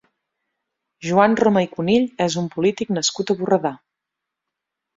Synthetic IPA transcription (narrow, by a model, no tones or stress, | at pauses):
ʒuanroməikuniʎɛzumpulit̪iknəskut̪əβurəða